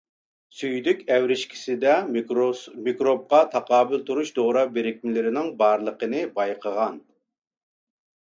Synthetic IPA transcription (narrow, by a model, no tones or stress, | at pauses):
syjd̪ykʲɛwɾɪʃkʲʰi̥sɪd̪ɛ | mikɾob̚qɑt̪ʰɑqɑːbɪlˠt̪ʰuɾuʃd̪oʁɾɑbeɾɪkʲmlɪɾɪnɪŋbɑɾlˠəqənɨbɑjqʰəʁɑn